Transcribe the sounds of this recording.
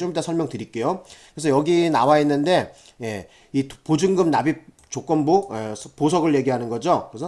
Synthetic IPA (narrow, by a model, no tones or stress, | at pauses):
t͡ɕombdasʰʌɭmjʌŋtɯɾik͈e̞jokɯɾesʰʌjʌɡinawainːɯnde̞ | je̞ | ipod͡ʑɯŋɡɯmnabi | t͡ɕok͈ʌnbueposʰʌɡɯɭje̞ɡiɦanɯnɡʌd͡ʑokɯɾesʰʌ